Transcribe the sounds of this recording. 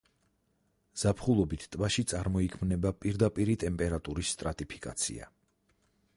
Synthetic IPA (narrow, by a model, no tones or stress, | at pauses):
z̥apʰχulˠɔbit̪ʰt̪ʼvaʃit̪sʼaɾmɔikʰmnɛbapʼiɾd̪apʼiɾit̪ʼɛmpʼɛɾat̪ʼuɾisːt̪ʼɾat̪ʼipʰi̥kʼa̰t̪sʰḭa̰